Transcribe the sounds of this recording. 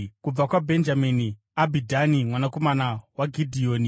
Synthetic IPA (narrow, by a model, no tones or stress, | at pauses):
kub͡vakwabʱe̞nd͡ʒamini | abʱidʱanimwanako̞manawaɡʱidʱioːni